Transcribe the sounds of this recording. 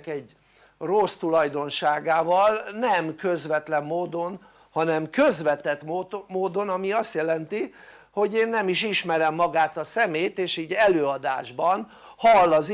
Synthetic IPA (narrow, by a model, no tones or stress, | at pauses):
kɛɟ | rost̪ulɒjd̪o̞nʃaːɡaːvɒlnɛmkø̞zʋɛt̪lɛmːoːd̪o̞n | hɒnɛmkø̞zʋɛt̪ɛt̪mːmoːd̪o̞nɒmiɒst̪jɛlɛnt̪i | ho̞ɟeːnːɛmiʃiʃmɛɾɛmːɒɡaːt̪ɒsɛmeːt̪eːʃiːɟɛløːɒd̪a̰ːʒbɒn | hɒlːɒz